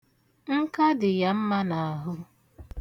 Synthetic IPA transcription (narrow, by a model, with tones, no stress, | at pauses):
ŋ̩˦ka˦dɪ˨ja˦m̩˦ma˦na˨a˨ɦʊ˦